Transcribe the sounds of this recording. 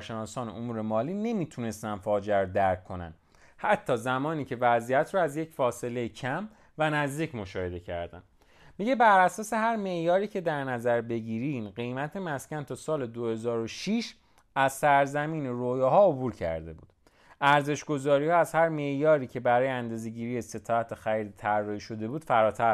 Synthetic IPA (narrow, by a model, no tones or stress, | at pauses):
ɾʃe̞nɒːsɒːneʔomuːɾe̞mɒːliːne̞miːt̪ʰune̞st̪ænd̪fɒːd͡ʒeæɾod̪æɾkʰːo̞næ̰n | hæt̪ʰːɒːzæmɒːniːcʰe̞væzijæt̪ʰɾɔːæzjecʰfɒːse̞le̞jecʰæm | vænæzd̪iːcmo̞ʃɒːhe̞d̪e̞cʰæ̰ɾd̪æ̰n | miɟe̞bæɾæsɒːse̞hæɾme̞ʔjɒːɾiːcʰed̪æɾnæzæɾbe̞ɟiːɾiːnɢe̞jmæt̪ʰemæscʲænt̪ʰɒːsɒːle̞d̪ohe̞zɒːɾoʃiʃ | æzsæɾzæmiːneɾojɒːɦɒːobuːɾcʰæ̰ɾd̪e̞̰buːd̪̥ | ʔæɾze̞ʃɡo̞zɒːɾiːhɒːæzhæɾme̞ʔjɒːɾiːcʰe̞bæɾɒːjeænd̪ɒːzeɟiːɾiːjese̞t̪ʰɒːæt̪ʰexæɾiːd̪it̪ʰærːɒhiːʃo̞d̪e̞buːd̪̥fæɾɒːt̪ʰæ